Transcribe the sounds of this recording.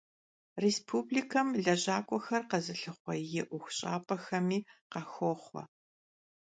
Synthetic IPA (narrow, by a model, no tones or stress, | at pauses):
respʰuːbliːkʰɐmɮɐʑaːkʷʼɔxɐrqɐzɨɬɨχʷɔjɪʔʷʊxʷɕʼa̰ːpʼɐxɐmiːqɐxɔːχʷɔ̰